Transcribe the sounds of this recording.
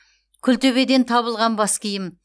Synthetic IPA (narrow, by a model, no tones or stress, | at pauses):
kʲʰʏlt̪ɵβed̪e̞nt̪ʰɑβəlˠʁɑnbɑskʲʰijɪm